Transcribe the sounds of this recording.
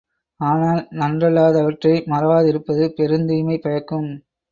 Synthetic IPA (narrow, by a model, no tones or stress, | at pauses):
aːnaːlnɐndrɐlaːðɐʋɐʈrɐɪmɐɾɐʋaːðɪɾɯpːɐðɯpɛɾɯnd̪iːmɐɪpɐɻɐkːɯm